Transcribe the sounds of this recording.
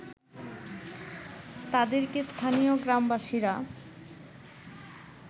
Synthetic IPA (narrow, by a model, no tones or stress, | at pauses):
t̪ad̪eɾkest̪ʰanioɡɾambaʃiɾa